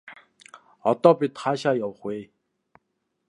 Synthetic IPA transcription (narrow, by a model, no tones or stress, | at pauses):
ɔt̪ɔpit̪χaːɕaːjawχweː